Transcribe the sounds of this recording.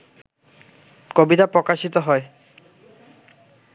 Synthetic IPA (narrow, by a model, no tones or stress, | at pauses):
kobitapɹɔkaʃit̪ɔɦɔj